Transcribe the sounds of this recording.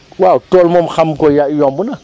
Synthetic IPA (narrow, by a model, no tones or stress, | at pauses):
wawtolmɔmxamkojajɔmbuna